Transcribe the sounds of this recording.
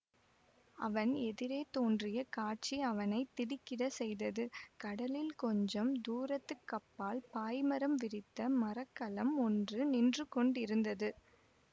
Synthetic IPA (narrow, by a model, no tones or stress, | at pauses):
ɐ̰ʋɐnɛðɪɾeːt̪oːndrɪjɐkaːʈ̚t͡ʃiɐʋɐnɐɪt̪ːɪɽɪkːɪɽɐsɛjðɐðɯkɐɽɐlɪlkɔɲd͡ʒɐmd̪uːɾɐt̪ːɯkːɐpːaːlpaːjmɐɾɐmʋɪɾɪt̪ːɐmɐɾɐkːɐlɐmɔndrɯnɪndrɯkɔɳɖɪɾɯnd̪ɐðɯ